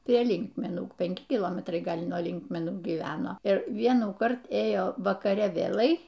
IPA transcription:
pʲrʲiɛ ˈlʲɪŋkmʲɛnuː pʲɛŋʲˈkʲɪ kʲɪˈlˠoːmʲɛtrɐɪ ˈɡɐlʲ nuɔ ˈlʲɪŋkmʲɛnuː ɡʲiːˈʋʲæːnoː ɪr ˈʋʲiɛnuːkɐrt ˈeːjoː ʋɐkɐˈrʲɛ ʋʲeːˈlˠɐɪ

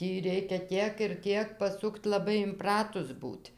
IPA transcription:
ˈtʲiː ˈrʲɛɪkʲɛ ˈtʲiɛk ɪr ˈtʲiɛk pɐˈsʊkt lˠɐˈbɐɪ ɪmˈprɑːtʊs ˈbuːtʲ

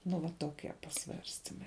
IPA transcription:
nʊ ʋɐ toːˈkʲɛ pɐˈsʋɐrʲsʲtʲɪmɐɪ

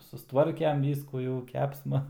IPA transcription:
sʊsˈtʋɐrʲkʲɛm ˈʋʲiːskuː jɛʊ ˈkʲæːpsmɐ

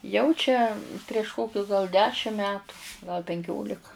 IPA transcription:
jɛʊ t͡ʃʲɛ pʲrʲiɛʃ ˈkoːkʲʊs ɡɐlˠ ˈdʲæːʃʲɪm ˈmʲæːtʊ ɡɐlˠ pʲɛŋʲˈkʲoːlʲɪkɐ

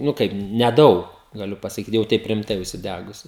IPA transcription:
nʊ ˈkɐɪp nʲɛˈdɐʊk ɡɐˈlʲʊ pɐsɐˈkʲiːt jɛʊ ˈtʲɛɪp rʲɪmˈtɐɪ ʊʃʲsʲɪˈdʲæɡʊsʲʊ

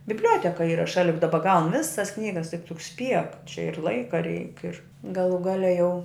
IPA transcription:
bʲɪbʲˈlʲuɔtʲɛkɐ ˈiːrɐ ˈʃɑːlʲɪ jʊk ˈdɑːbɐ ɡɐʊn ˈʋʲɪsɐs ˈknʲiːɡɐs tʲɪk tʊ sʲpʲiɛk t͡ʃʲɛ ɪr ˈlˠɐɪkɐ rʲɛɪk ɪr ɡɐˈlˠuː ˈɡɑːlʲɛ jɛʊ

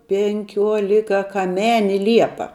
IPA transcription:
pʲɛŋʲˈkʲuɔlʲɪkɐkɐˈmʲæːnʲɪ ˈlʲiɛpɐ

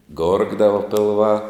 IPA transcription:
ˈɡoːrɡdɐʋɐ pʲɪlˠˈʋɑː

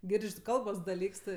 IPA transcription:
ˈɡʲɪrʲt͡ʃʲ ˈkɐlˠboːs dɐˈlʲiːks ˈtɜ

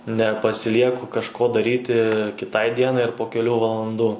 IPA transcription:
nʲɛpɐsʲɪˈlʲiɛkʊ kɐʃˈkoː dɐˈrʲiːtʲɪ kʲɪˈtɐɪ ˈdʲiɛnɐɪ ɐr poː kʲɛˈlʲuː ʋɐlˠɐnˈduː

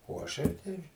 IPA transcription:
oː ɐˈʃɐɪ ˈtɐɪ

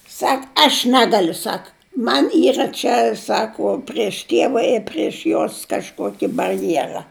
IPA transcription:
ˈsɐk ɐʃ ˈnʲæːɡɐlʲʊ ˈsɐk ˈmɐnʲ ˈiːrɐ t͡ʃʲɛ ˈsɑːkoː pʲrʲiɛʃ ˈtʲiɛʋɐ ɪr pʲrʲiɛʃ ˈjoːs kɐʃˈkuɔkʲɪ bɐrʲˈjeːrɐ

